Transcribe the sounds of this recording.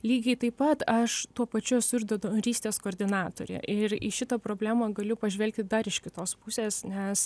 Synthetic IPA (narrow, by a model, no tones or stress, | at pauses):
lʲiːɡʲɛɪt̪ɐɪpɐt̪ɐʃt̪uɔpɐt͡ʃʲʊɛsʊɪʒd̪od̪oːnɾʲiːsʲt̪ʲeːskoːɾʲd̪ʲɪnɑːt̪oːɾʲḛʔɪɾɪ̰ʃʲɪt̪ɐpɾoːbʲlʲæːmɐɡɐlʲʊpɐʒʲʋʲɛlʲkt̪ʲɪd̪ɐɾɪʃkʲɪt̪oːspʊsʲeːsnʲɛs